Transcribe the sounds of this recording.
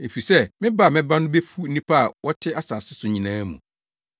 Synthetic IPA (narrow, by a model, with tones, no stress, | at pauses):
e˨fi˨sɛ˦mɪ̃˦ba˦˨mɪ̃˦ba˦nʊ̃˦be˦fu˦nĩ˦pʰa˦a˨wɔ˦tʰɪ˦a˦saː˨sɪ˦sʊ˨ɲĩ˨nãː˦mṵ̃˨